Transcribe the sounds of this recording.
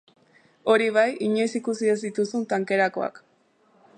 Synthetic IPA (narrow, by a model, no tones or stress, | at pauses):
o̞ɾiβ̞ajiɲojsikusiezd̪it̪usunt̪aŋke̞ɾako̞̰a̰k